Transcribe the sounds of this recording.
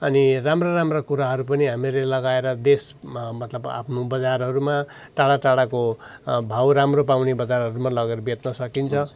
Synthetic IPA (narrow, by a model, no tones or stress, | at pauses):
ʌniramroɾamrakuɾaɦʌɾup̬ʌniɦamilelʌɡaeɾʌd̪es | mʌt̪lʌba̰pʰnubʌd͡zarɦʌɾuma | ʈaɽaʈaɽako | bʱawɾamropawnebʌd͡zarɦʌɾumalʌɡʌrbjet̪nʌsʌkint͡sʰʌ